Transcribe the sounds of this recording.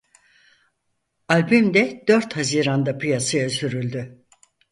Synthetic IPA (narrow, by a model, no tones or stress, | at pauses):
alʲbymd̪ɛd̪̥øɾt̪haziːɾand̪apʰɯjasajasyɾylʲd̪y